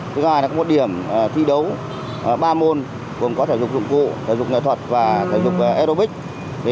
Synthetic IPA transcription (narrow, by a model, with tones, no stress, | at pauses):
ɨ˧˨˦kːkɔ˨˦mo˨˩t̚ɗi˧˩əm˨˩t̪ʰḭ˧˨ɗə˨˦w | ɓaː˧mo˧n | kṵ˨˧˩ənkɔ˨˦t̪ʰəː˧˩zʊ˨˩k͡p̚zʊ̰˧˨ŋ͡mkṵ˧˨sʰəː˧˩zʊ˨˩k͡p̚ŋḛ˧˨t̪ʰə˨˩t̚vaː˨˩sʰə˧˩zʊ˨˩k͡p̚ːʔɛ˧ɾo˧ɓï˦˥k̟̚ | t̪ʰi˨˩